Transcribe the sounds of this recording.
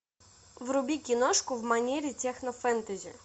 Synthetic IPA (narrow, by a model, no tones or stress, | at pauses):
vɾʊbʲikʲinɔʂkʊvmanʲɛɾʲitʲɛxnɔfɛnt̪ɨzʲɪ̰